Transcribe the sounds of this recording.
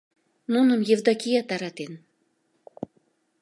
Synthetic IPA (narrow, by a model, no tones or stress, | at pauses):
nunəmjevd̪ɑkijɑt̪ɑɾɑt̪en